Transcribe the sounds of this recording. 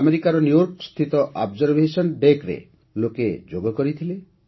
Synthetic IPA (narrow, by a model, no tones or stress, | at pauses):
ameɾikaɾɔnjujɔɾkɔst̪ʰit̪ɔʔabd͡ʒɔɾbʱesɔnɖekɾḛ | loked͡ʒoɡɔkɔɾit̪ʰile